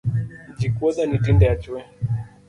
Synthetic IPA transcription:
d͡ʒikwɔɗanitindɛjat͡ʃuɛ

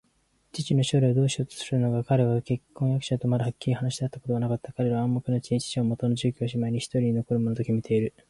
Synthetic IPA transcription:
t͡ɕit͡ɕino̞ɕo̞ːɾeod̪o̞ːɕio̞t̪o̥sɨɾɯ̟no̞ɡakaɾe̞βake̞kːõ̞ɰ̃jakɯ̟ɕat̪o̞maɾɯ̟hakʲːiɾʲihanaɕid̪eat̪ːako̞t̪oanakat̪ːakaɾe̞ɾaβaãmːokɯ̟not͡ɕiɲt͡ɕi̥t͡ɕiomo̞t̪o̞no̞ʑɨːkʲoːɕimaiɲ̟içi̥t̪o̞ɾiɲ̟ino̞ko̞ɾɯ̟monot̪o̞kʲimit̪ʰe̞iɾɯ̟

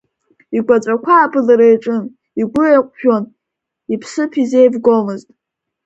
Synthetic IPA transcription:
iɡʷat͡sʷʼakʷʰaːbɨlaɾajʈ͡ʂʼɨn | iɡʷʊeqʷʼʃᶣon | ipʰsɨpʰize̞jbɡomɨztʼ

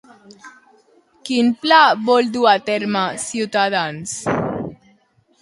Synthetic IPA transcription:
kinplabold̪uat̪eɾmasut̪ad̪ans

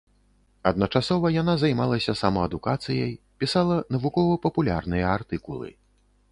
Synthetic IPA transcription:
ɐd̪̚nɐt͡ʂasɔvɐjanazajmalˠɐsʲɐsamɐɐd̪ukat̪sɨjɐj | pʲisalˠɐnɐvukɔvɐpɐpulʲa̰rnɨjɐart̪ɨkulˠɨ̰

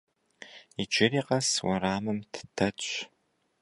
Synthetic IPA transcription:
id͡ʒʷɪɾiːqɐswɐɾaːmɨmtʰɨ̥tʰɐ

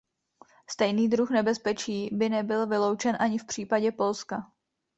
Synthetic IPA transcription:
st̪ɛjniːdɾuxnɛbɛspɛt͡ʃiːbɪnɛbɪlvɪlowt͡ʃɛnʔaɲɪfpr̝̥iːpaɟɛpo̞lska

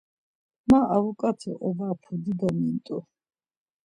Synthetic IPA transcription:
maavukʼat̪ʰɛʔɔvapʰɔd̪id̪amint̪ʼu

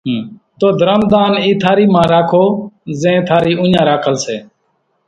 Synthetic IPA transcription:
t̪oːd̪ʱəɾəmd̪aːniːt̪ʰaːɾiːmãːɾaːkʰoːzẽːt̪ʰaːɾiːʔʊ̃ɲãːɾaːkʰəlseː

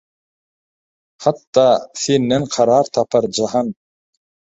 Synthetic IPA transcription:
hat̪ːɑːθinːænqʰɑɾɑːɾt̪ʰɑpʰɑɾd͡ʒɑɦɑn

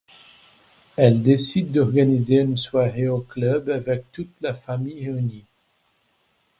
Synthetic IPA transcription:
ɛld̪esid̪ːɔʁɡanizeynswaʁeoklœbavɛk̚t̪ut̪lafamijeyni

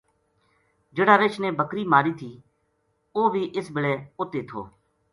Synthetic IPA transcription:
d͡ʒɪɽaːɾɪt͡ʃʰnẽːbʱəkɾiːmaːɾiːt̪ʰiː | oːʋʱiːʔɪsbɪleːʊt̪eːt̪ʰo̰ː

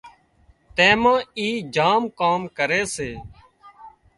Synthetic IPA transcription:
t̪ẽːmãːiːd͡ʒaːmkaːmkəɾeːseː

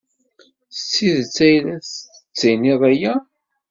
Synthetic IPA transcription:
θət͡sːiðt͡sːæjlæs | t͡sːæjniðˤæjæ

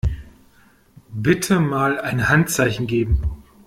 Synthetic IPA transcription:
bɪtʰəmaːlaɪnhantt͡saɪçn̩ɡeːbm̩

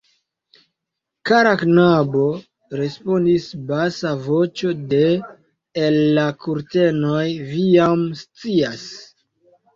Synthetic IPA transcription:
kaɾaknabo̞ | ɾe̞spo̞ndisbasavo̞t͡ʃo̞de̞ː | lːakuɾte̞no̞jvijamst͡sias

